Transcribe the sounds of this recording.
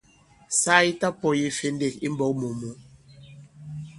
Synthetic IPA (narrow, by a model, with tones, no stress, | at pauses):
saː˦i˦ta˦pɔ˦˨ji˦fe˨nde˨ki˦m̩˦bɔ˨˦k̚mo˨mo˨˦